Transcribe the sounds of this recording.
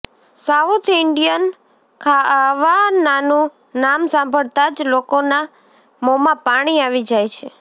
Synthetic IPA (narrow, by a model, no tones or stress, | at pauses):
saʋut̪ʰɪɳɖijən | kʰaʋananũ | namsãmbʱəɭt̪ad͡ʒlokona | mɔmãpaɽ̃iaʋid͡ʒajt͡ʃʰe